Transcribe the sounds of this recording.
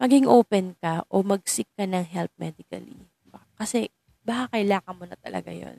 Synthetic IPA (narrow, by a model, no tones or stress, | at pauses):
mɐɡɪŋʔoːpɛnkɐʔomɐɡ̚sɪkːɐnɐŋɦɛlp̚mɛd̪ɪkɐ̰lḭ | bkɐsɛ | bakakɐjlaːŋɐnmonɐt̪ɐ̰lɐ̰ɡa̰jo̰n